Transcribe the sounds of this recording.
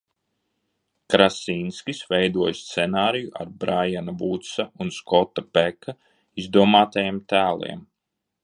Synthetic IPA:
kɾasinskʲisvɛjd̪uɔjst̪sɛnaːɾijuʔa̰ɾbɾajanabut̪saunskɔt̪ːapɛka | izd̪uɔmaːt̪ajemt̪æːlˠḭɛm

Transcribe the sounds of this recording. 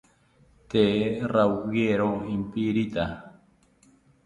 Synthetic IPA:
t̪erawɣeɾoimpiɾit̪a

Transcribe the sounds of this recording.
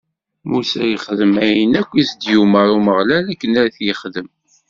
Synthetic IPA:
musæjəχðəmæjənækʷːisd̪juməɾuməʁlælækːənæɾθjəχðəm

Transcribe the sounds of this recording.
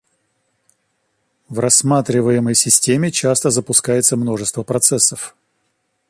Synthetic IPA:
vrɐsmat̪ɾʲɪvəjɪməjsʲɪsʲtʲemʲɪt͡ɕast̪əzəpʊskajɪt̪səmno̞ʐɨst̪vəpɾɐt̪sɛsːəf

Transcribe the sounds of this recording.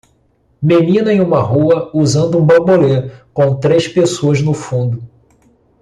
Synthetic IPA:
menĩnɐẽj̃ũmɐɦuɐuzɐ̃nd̪ʊũbɐboleɾkõw̃t̪ɾeʃpesoɐznʊfũnd̪ʊ

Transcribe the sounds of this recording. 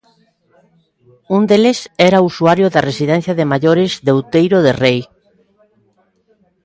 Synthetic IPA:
und̪elesɛɾausuaɾjʊðɐresiðɛnθjɐðɪmaʎoɾɪzðewt̪ejɾoðerej

